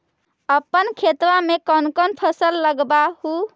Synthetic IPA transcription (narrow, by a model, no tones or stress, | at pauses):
əpːənkʰet̪ʋamekənkənpʰəsəlːəɡbahu